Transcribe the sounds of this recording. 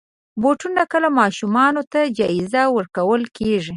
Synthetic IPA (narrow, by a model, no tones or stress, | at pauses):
boʈunakəlamɑʃumɑnot̪ad͡ʒɑɪzawəɾkawəlkeʐi